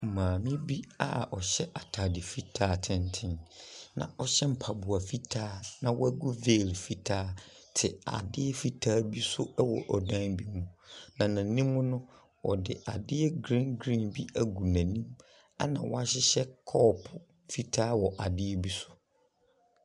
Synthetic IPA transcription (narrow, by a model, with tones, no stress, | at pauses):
m̩˨mãː˨mɪ̃˦bi˦a̰˨ɔ˨ɕɛ˦ʔa˨tʰa˨dɪ˨fi˦tʰaː˦˨tʰɪ̃˨n˦tʰɪ̃˨nnã̰˨ɔ˦ɕɛ˦m̩˨pʰa˨bʊ˨a˨fi˦tʰaː˦nã˨wɔ̰˦æ˦ɡu˦ve˦˨lfi˦tʰaː˦ | tʰɪ˨a̰˨dɪ˦ɛ˦fi˦tʰaː˦bi˦sʊ˦ɛ˦wɔ̰˨ʔɔ˨dã˦nbi˦mũ˨nã˨nã˨nĩ˦mːʊ̃˦nʊ̃˦ | wʔɔ˨dɪ̰˨ʔa˨dɪ˦ɛ˦ɡɾĩ˦nɡɾĩ˦nbi˦ʔæ˨ɡu˨næ̃˨nĩ˦m | a̰˦nã̰˨wʔɔ˦a˦ɕɪ˦ɕɛ˦kʰɔː˦pʰʊ˨ | fi˦tʰaː˦wɔ˨ʔa˨dɪ˦ɛ˦bi˦sʊ̥˦